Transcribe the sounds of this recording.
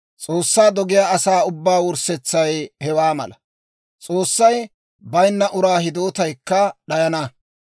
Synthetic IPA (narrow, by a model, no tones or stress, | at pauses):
t͡sʼoːsːaːd̪ɔɡɪjaːɐsaːʊbːaːwʊɾsɛt͡sːɐjhɛwaːmɐ̰lɐ | t͡sʼo̞ːsːɐj | bɐjnːɐʔʊɾaːhɪd̪o̞ːt̪ɐjkːɐɗɐjɐnɐ